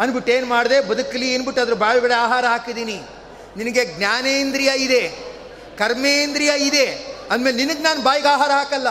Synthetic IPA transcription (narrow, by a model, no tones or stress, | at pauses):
ɐnbiʈːeːnmaːɽd̪ebɐd̪ukɐlieːnbiʈːɐd̪ɐɾubaːɭuɡɐɭeaːɦaːɾɐɦaːkid̪iːni | ninɐɡeɡnʲaːneːnd̪ɾijɐid̪e̞ | kɐɾmeːnd̪ɾijɐid̪e̞ɐd̪me̞ːleninɐɡnaːnubaːjɐɡaːɦaːɾɐɦaːkɐlːɐ